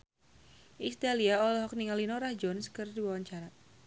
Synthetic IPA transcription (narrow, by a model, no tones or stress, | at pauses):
ʔist̪aliaɔlɔɦɔk̚niŋalinɔɾahd͡ʒɔnskɨrdiwawaɲt͡ʃaɾa